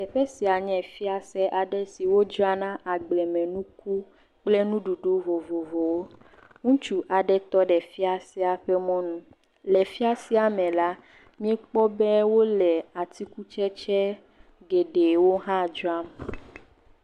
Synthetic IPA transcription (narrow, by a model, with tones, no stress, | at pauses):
ɛ˨ɸɛ˦si˨a˨ɲɛ̃˨fi˦a˨sɛ˦ʔa˨ɖɛ˦si˨wo˦d͡ʒɔ˦a˦nã˦ʔa˨ɡ͡blɛ˨mɛ̃˨nũ˦k̚u˦ | k͡plɛ˦nũ˦ɖu˨ɖo˦vo˨vo˨vo˨wo˦ | ŋũ˦t͡ʃu˦ʔa˨ɖɛ˦t̪ɔ˦ɖɛ˨fi˦a˨sɛ˦a˨ɸɛ˦mɔ̃˦nũ˦ | lɛ˨fi˦a˦si˦a˨mɛ̃˨la˦ | mĩ˦ɛ˦k͡pɔ˦bɛ˦wo˦lɛ˨a˨t̪i˦ku˦t͡ʃɛ˦t͡ʃɛ˦ | ɡe˨ɖe˨wo˦ɦã˦˨d͡ʒɔ˦a˦m